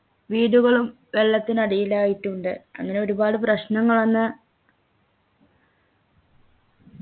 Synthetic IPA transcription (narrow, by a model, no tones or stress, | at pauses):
ʋiːɽuɣɐɭum | ʋe̞ɭːɐt̪ːinɐɽijilaːjiʈːuɳɖɨɐ̰ŋːɐne̞o̞ɾubaːɽɨprɐɕnɐŋːɐɭonːɨ